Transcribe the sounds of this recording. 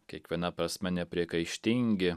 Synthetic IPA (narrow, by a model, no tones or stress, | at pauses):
kʲiɛkʋʲiɛnɐpɾɐsʲmʲɛnʲɛpʲɾʲiɛkɐɪʃʲt̪ʲɪŋʲɡʲɪ